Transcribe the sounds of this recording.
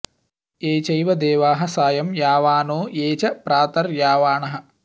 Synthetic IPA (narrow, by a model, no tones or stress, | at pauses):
eːt͡ʃɐjʋɐd̪eːʋaːɦɐsaːjɐmjaːʋaːnoːjeːt͡ʃɐpɾaːt̪ɐɾjaːʋaːɳɐɦɐ̆